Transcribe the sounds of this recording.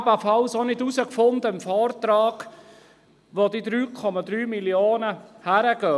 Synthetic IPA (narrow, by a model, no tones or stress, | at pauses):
bəfɑlsonɪdusəkfʊndəmfɔːɾtɾɑːɡ̥ | ʋodidɾyːkʰɔmɑdɾyːmiljoːnəhæɾəɡ̥œː